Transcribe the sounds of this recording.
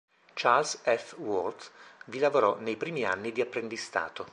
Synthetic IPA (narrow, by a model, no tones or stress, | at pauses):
t͡ʃalsɛfwɔrt̪vilavoɾɔnejpɾiːmia̰nːid̪iapːɾend̪ist̪a̰ːt̪o